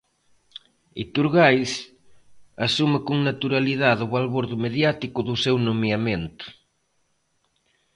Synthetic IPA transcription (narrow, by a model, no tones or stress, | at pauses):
ḭt̪uɾɣajs | asumakuŋnat̪uɾaliðaðʊβalβoɾðʊmeðjat̪ikʊðʊsewnomjament̪ʊ̥